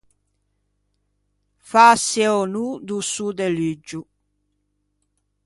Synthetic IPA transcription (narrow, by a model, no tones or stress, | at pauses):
fasɛɔnud̪usud̪elid͡ʒːu